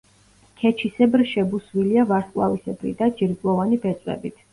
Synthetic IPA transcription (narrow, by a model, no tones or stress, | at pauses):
kʰɛt͡ʃʰisɛbɾʃɛbuswiliavaɾskʼlˠavisɛbɾḭd̪ad͡ʒiɾɡlˠɔvanibɛt̪sʼwɛ̰bit̪ʰ